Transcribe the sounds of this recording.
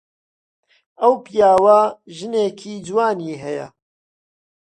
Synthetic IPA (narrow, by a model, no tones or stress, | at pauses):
ɐwpijaːwɐʒɨneːkʰiːd͡ʒwaːniːɦɛjɐ̰